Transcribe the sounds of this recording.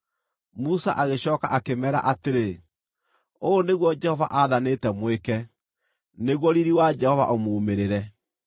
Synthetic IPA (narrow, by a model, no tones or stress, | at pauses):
musaʔaɣeɕɔːkaʔakemɛɾa̰ʔateɾe | oːneɣwɔd͡ʒɛhɔva̰ʔaðanetɛmwekɛ | neɣwɔɾiɾiwad͡ʒɛhɔva̰ʔomoːmeɾeɾɛ